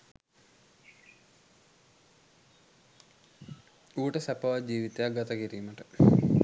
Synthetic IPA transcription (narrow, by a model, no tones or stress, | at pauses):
uːʈɐsɐpɐʋad͡ʑiːʋit̪ːeaɡɐt̪ɐkiɾimɐʈɨ